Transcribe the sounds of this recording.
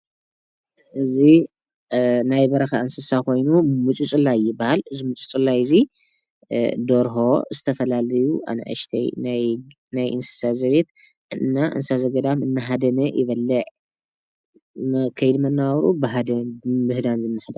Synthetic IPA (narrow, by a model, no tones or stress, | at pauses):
ʔɨzi | najbɐɾɐxaʔɨnsɨsakʰo̞jnumɨt͡ʃʼut͡sʼɨlajːɪbahalɨzimɨt͡ʃʼut͡sʼɨlajɨzi | d̪oɾɦo̞zɨt̪ʰɐfɐlalɐjuʔa̰nɐ̰ʔɐ̰ʃt̪ʰɐ̰jnaj | najʔɨ̰nsɨ̥sazɐβet̪ | ɨnːaʔɨ̰nsazɐɡɐd̪amɨnːaɦad̪ɐnɐjʔɪβɐlːɐʕ | mkʰɐjd̪mɐnːaɾubɨɦad̪ɐbɨhd̪anzɨnːɨħd̪a